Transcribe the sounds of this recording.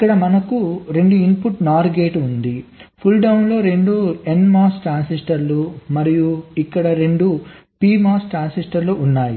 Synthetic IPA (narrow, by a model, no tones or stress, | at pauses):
ikːɐɽɐmɐnɐkuɾe̞ɳɖuimpuʈnaːɾɡeːʈund̪ipʰulɖɐwnlo̞ːɾe̞ɳɖue̞nmaːsʈaːnsisʈɐɾlumɐɾijuikːɐɽɐɾe̞ɳɖu | piːmaːsʈaːnsisʈɐɾluːnːaːji